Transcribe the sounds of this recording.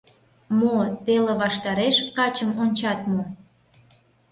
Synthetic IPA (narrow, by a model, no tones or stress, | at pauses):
mot̪eleβɑʃt̪ɑɾeʃkɑt͡ɕəmonʲt͡ɕɑt̪mo